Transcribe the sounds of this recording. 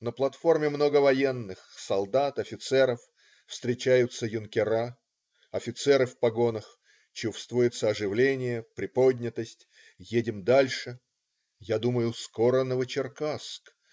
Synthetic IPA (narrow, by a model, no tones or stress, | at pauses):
nəplˠɐt̪fo̞rmʲɪmno̞ɡəvɐjenːɨxsɐlˠd̪at̪ɐfʲɪt̪sɛɾəf | fst̪ɾʲɪt͡ɕæjʊt̪səjʊnkʲɪɾa | ɐfʲɪt̪sɛɾɨfpɐɡo̞nəx | t͡ɕufst̪vʊjɪt̪səɐʐɨvlʲenʲɪjəpɾʲɪpo̞dʲnʲɪt̪əsʲtʲ | jedʲɪmd̪alʲʂɨ | jad̪uməjʊskoɾənəvət͡ɕɪrkask